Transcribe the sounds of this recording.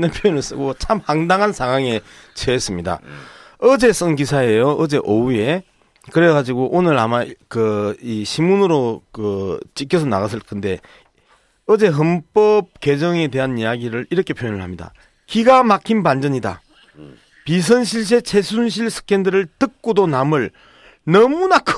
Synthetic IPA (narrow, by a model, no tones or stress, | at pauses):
nɯnpʰjojonɯɭs͈ɯɡot͡ɕʰamhaŋdaŋɦansʰaŋɦaŋe̞ | t͡ɕʰees͈ɯmɲida̰ | ʌd͡ʑe̞s͈ɯŋɡisʰaejoʌd͡ʑe̞ʔoue̞ | kɯɾeɡad͡ʑiɡoʔonɯɾamakɯiɕʰimunɯɾokɯt͡ɕikʰjʌsʰʌnaɣas̬͈ʰɯɭkʰɯnde̞ | ʌd͡ʑe̞ɦɯmp͈ʌp̚kwe̞d͡ʑʌŋe̞de̞ɦanijaɡiɾɯɾiɾʌkʰe̞pʰjojnɯɭhamɲida̰ | kiɡamakʰinpand͡ʑʌɲida̰ | pis̬ʰɯnɕʰiɭs̬ʰe̞t͡ɕʰesʰunɕ̬ʰiɭsʰɯ̥kʰendɯɾɯɭtɯk̚k͈odonamɯɭ | nʌmunakʰ